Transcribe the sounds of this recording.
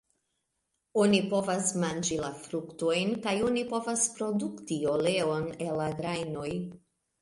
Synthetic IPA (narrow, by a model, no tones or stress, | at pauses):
o̞nipo̞vasmand͡ʒilafɾukto̞jnkajo̞nipo̞vaspɾo̞duktio̞le̞o̞ne̞laɡɾajno̞j